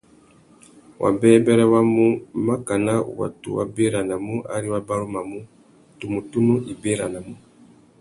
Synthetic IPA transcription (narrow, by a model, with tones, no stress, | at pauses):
wʔa̰˨bɛ˦bɛ˦ɾɛ˦wa˦mu˦ma˦ka˨na˦˨wa̰˨tṵ˨wa̰˨be˦ɾa˨na˨mu˦ʔa̰˦ɾi˦wa˦ba˦ɾu˦ma˨mu˦ | tu˨mu˨tu˦nu˦ʔi˨be˦ɾa˨na˨mu˦